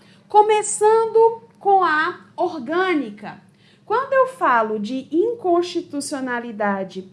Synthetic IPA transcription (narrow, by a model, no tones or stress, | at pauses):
kõmesɐ̃nd̪ʊ | kõɐ | oɾɡɐ̃nikɐ | kwɐ̃nd̪ʊewfalʊd͡ʒɪĩŋkõʃt͡ʃit̪usionalid̪ad͡ʒɪ